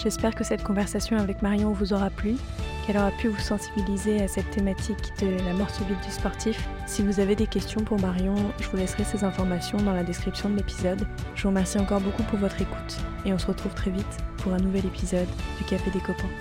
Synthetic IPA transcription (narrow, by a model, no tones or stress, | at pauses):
ʒ̥ɛspɛʁkəsɛt̪kɔ̃vɛʁsasjɔ̃avɛkmaʁjɔ̃vuzɔʁaplykɛlɔʁapyvusɑ̃sibilizeasɛt̪ːemat̪ʰikd̪̥əlamɔʁsɔbit̪̚d̪yspɔʁt̪ʰif | sivuzaved̪ekʲɛst̪jɔ̃puʁmaʁjɔ̃ʒəvulɛsʁɛsezɛ̃fɔʁmasjɔ̃d̪ɑ̃lad̪ɛskχipsjɔ̃d̪əlepizɔd̪ʒ̥əvuʁəmɛʁsiɑ̃kɔʁbokupuʁvɔt̪χeku̥t̪eɔ̃səʁət̪χuv̥t̪χɛvit̪puʁɛ̃nuvɛlepizɔd̪ːykafed̪ekɔpɛ̃